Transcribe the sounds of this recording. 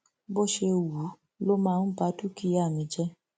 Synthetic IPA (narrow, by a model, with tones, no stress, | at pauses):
bo˦˨ʃe˧wu˨˦ | lo˦mãː˦˧n̩˦ba˦tu˦ki˧˦a˦˨mĩ˨˦d͡ʒɛ˦